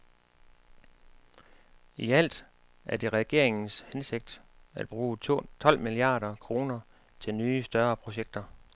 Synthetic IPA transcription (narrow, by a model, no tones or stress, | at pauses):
iæl̰d̥ | ʔæɐd̥e̝ʁɛɡ̥e̝ɐ̰e̝ŋn̩shense̝ɡ̥̚d̥æd̥̚b̥ʁuːt͡sʰɒ̽l̰miliɑ̰̈ːɾɐkʰʁo̝ːnɐ | t͡sʰe̝lnyːsd̥ɶɐpʰʁo̝ɕeɡ̥̚d̥ɐ